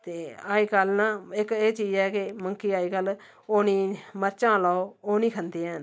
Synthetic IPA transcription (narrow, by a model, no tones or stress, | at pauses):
t̪eːaːiːkəlnãːɪkeːt͡ʃiːd͡ʒɛːkɪməŋkiːaːiːkəl | oːnĩːməɾt͡ʃãːlɔːooːnĩːkʰənd̪eːn